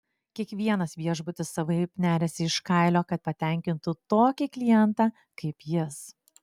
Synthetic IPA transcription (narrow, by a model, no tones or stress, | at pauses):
kʲiɛkʋʲiɛnɐsʋʲiɛʒbʊt̪ʲɪsːɐʋɐɪpʲnʲæːɾʲɛsʲɪɪʃkɐɪlʲoːkɐt̪̚pɐt̪ʲɛˑŋʲkʲɪnt̪ʊt̪oːkʲɪklʲɪjɛnt̪ɑː | kɐɪpjɪs